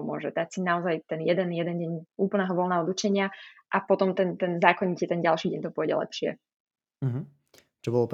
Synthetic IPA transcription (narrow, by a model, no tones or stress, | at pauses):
mʊɔ̰ʒɛd̪acsinaɔzajt̪ɛnjɛd̪ɛnjɛd̪ɛnɟɛɲuːpl̩nɛːɦɔʋɔlnɛːɦɔɔd̪ut͡ʃɛɲɪaʔapɔt̪ɔmt̪ɛnt̪ɛnzaːkɔɲiciɛt̪ɛnɟalʃiːɟɛɲt̪ɔpʊɔjɟɛ̰lɛ̰pʃɪɛ̰ | ɦ̩ | t͡ʃɔbɔlɔp